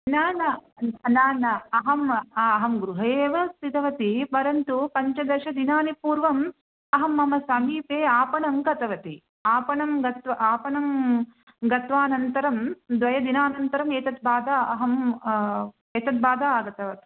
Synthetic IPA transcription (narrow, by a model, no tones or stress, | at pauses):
naːnɐnaːnɐɐɦɐmɐɦɐmɡɾuɦɐeːʋɐst̪it̪ɐʋɐt̪ipɐɾɐnt̪upɐɲt͡ʃɐd̪ɐʃɐd̪inaːnipuːɾʋɐm | ɐɦɐmːɐmɐsɐmiːpeːaːpɐɳɐmɡɐt̪ɐʋɐt̪i | aːpɐɳɐmɡɐt̪ʋɐʔaːpɐɳɐm | ɡɐt̪ʋaːnɐnt̪ɐɾɐmd̪ʋɐjɐd̪inaːnɐnt̪ɐɾɐmeːt̪ɐt̪̚baːd̪aːɐɦɐm | eːt̪ɐt̪̚baːd̪aːaːɡɐt̪ɐʋɐt̪i̥